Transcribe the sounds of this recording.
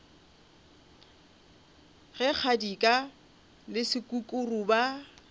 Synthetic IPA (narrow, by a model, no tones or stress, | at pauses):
ɣɛk͡xʰadikʼa | lɪsɪkʼukʼʊruba